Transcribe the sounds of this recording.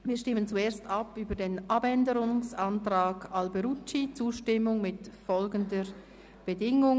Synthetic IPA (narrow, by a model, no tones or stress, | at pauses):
viːɐʃtɪmənt͡sueːɐstɑpyːbədeːnʔɑbɛndəɾʊŋsantʁaːɡɑlbeɾut͡ʃit͡suːʃtɪmʊŋmɪtfɔlɡəndə | b̥ədɪŋʊŋ